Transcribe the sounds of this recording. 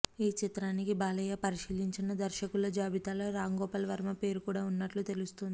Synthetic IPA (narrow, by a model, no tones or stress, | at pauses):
iːt͡ʃit̪ɾaːnikibaːlɐjapɐɾiʂiːliɲt͡ʃinɐd̪ɐɾʃɐkulɐd͡ʒaːbit̪aːloːɾaːŋɡɔːpɐlɐʋɐɾɐmɐpe̞ːɾukuːɽaːunːɐʈlut̪e̞lust̪und̪ii